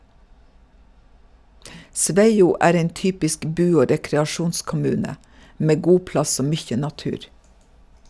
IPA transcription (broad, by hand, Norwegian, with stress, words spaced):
ˈsʋæɪuː ˈʔæːɾ ˈɛn ˈtyːpɪsk ˈbʉː ˈoː ɾɛkɾɛɑˈʃuːnskʊˌmʉːnə ˈmeː ˈɡuː ˈplɑs ˈoː ˈmyːçə nɑˈtʉːɾ